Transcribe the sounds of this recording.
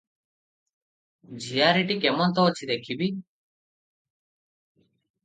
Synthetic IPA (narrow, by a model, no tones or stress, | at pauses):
d͡ʑʱijaːɾiʈikemənt̪ɔːt͡ɕʰid̪ekʰibi